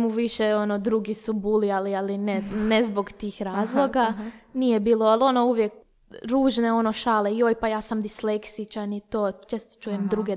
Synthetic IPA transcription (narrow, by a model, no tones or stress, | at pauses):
muʋiʃeonod̪ɾuɡisubulialialinenezboɡt̪iːxɾaːzlˠo̞ɡanijebiːloalˠo̞nouʋjek | ɾuːʒneo̞no̞ʃaːleiojpajaːsamd̪isleksit͡ʃanit̪oːt͡ʃeːst̪o̥t͡ʃuːjemd̪ɾuɡe